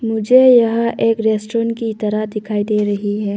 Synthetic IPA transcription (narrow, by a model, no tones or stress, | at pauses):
mʊd͡ʒʱejɐɦãʔeːkɾeːsʈoːɾəɳkit̪ɐɾaɦd̪ɪkʰaːid̪eːɾɐɦiɦɛː